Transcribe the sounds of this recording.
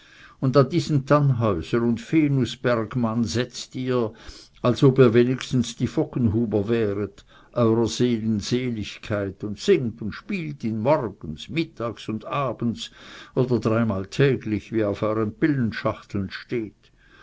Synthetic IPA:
ʊndandiːzən̩tʰanɦɔʏzəʁʊntfeːnusb̥ɛʁɡmanzɛt͡stiːɐ | alsobiːɐveːnɪçstn̩sd̥iːfɔkənɦuːbɐvɛːʁət | ʔɔʏʁɐz̥eːlənz̥eːlɪçkʰaɪtʊntsɪŋtʊntʃpiːltɪnmɔʁɡ̥ən̩smɪtʰaːksʊndaːb̥ən̩t͡sʔoːdɐdʁaɪmaːltʰɛːɡlɪçviːaʊfɔʏʁənpɪlənʃaχtl̩nʃteːt

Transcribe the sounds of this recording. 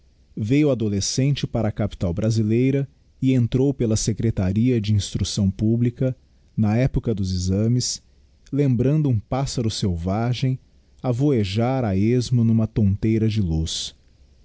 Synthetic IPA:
vejʊad̪olesẽnt͡ʃɪpaɾɐːkapi̥t̪awbɾazilejɾɐ | ɪẽnt̪ɾowpelɐsekɾet̪aɾiɐd͡ʒɪĩst̪ɾusɐ̃w̃publikɐ | nɐɛpʊkɐd̪ʊzizɐ̃mɪs | lẽmbɾɐ̃nd̪ʊũpasɐɾʊsewvaʒẽj̃ | avoeʒaɾaezmʊnũmɐt̪õnt̪ejɾɐd͡ʒɪlus

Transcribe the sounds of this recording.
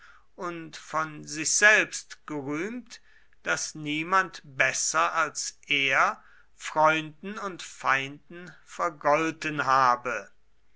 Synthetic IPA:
ʔʊntfɔnzɪçz̥ɛlpstɡ̥əʁyːmt | d̥asniːmantb̥ɛsɐalsʔeːɐ | fʁ̥ɔʏndn̩ʊntfaɪndn̩fɛɐɡɔltənɦaːbə

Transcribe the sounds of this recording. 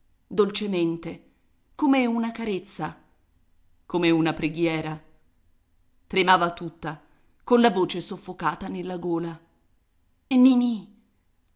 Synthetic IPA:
d̪olt͡ʃement̪e | komeunakaɾet̪sːa | komeunapɾeɡjɛːɾa | t̪ɾemaːvat̪ːut̪ːa | konlavoːt͡ʃesofːokaːt̪anelːaɡoːla | enːini

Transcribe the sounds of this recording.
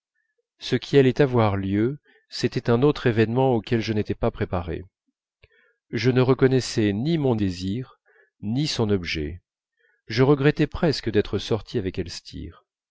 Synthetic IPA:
səkʲʰialɛt̪avwaʁljø | set̪ɛt̪ɛ̃not̪χevɛnmɑ̃okʲɛlʒənet̪ɛpapχepaʁḛ | ʒənəʁəkɔnɛsɛnimɔ̃d̪eziʁ | nisɔ̃nɔbʒɛ̰ | ʒəʁəɡʁɛt̪ɛpχɛskəd̪ɛt̪χəsɔʁt̪ʰiavɛkɛlst̪ʰḭːʁ

